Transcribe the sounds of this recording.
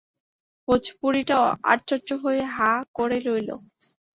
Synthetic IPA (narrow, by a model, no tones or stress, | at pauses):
pot͡ɕʰpuɾiʈaoa̰ɾt͡ɕot͡ɕoɦoeɦakoɾelojlo̰